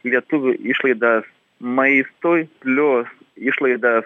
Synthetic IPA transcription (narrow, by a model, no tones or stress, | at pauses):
lʲiɛt̪ʊʋʲʊɪʃlˠɐɪd̪ɐs | mɐɪst̪ojpʲlʲoːs | ɪʃlˠɐɪd̪ɐs